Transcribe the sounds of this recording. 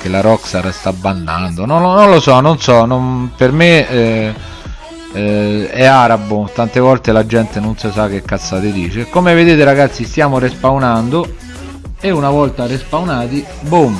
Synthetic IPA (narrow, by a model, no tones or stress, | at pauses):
k̟elaɾɔksaɾst̪abːanːa̰nd̪ononːonlosɔnonsɔnonperme | ɛaːɾabot̪ant̪evɔlt̪elad͡ʒɛnt̪enonsɪsak̟ːekːat̪sːaːt̪ɪd̪iːt͡ʃekomeved̪eːt̪eɾaɡat̪sːist̪jaːmoɾespawnand̪o | eunavɔlt̪aɾespawnaːt̪i | bum